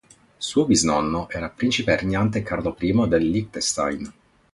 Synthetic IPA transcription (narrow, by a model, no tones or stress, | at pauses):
suːobiznɔnːoʔɛːɾapɾint͡ʃiperɲant̪ekarlopɾiːmod̪elːik̚t̪est̪a̰jn